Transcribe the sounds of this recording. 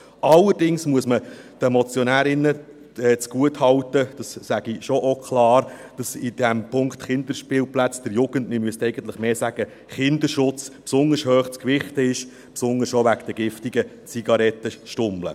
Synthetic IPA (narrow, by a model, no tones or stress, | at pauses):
ɑlːəɾdɪŋsmuəsməd̥ɛmɔt͡sjɔnæːɾɪnːə | ɛːt͡sɡ̥uəthɑwtəd̥ɑssæɡ̥iʃɔʔɔkʰlɑːɾd̥ɑsɪdæmpʊŋkt̪χɪnd̪əɾʃpɪːlplæt͡sd̥əɾjuɡəntmɪmyəst̪ɛɪɡ̥əntləχmeːsæɡ̥ə | χɪnd̪əɾʃʊt͡spsʊndəɾshøːχt͡skʋɪχtəɪʃ | psʊndəɾʃoʋækd̥əɡɪftiɡə | t͡siɡ̥ɑɾɛtːəʃtʊmlə̰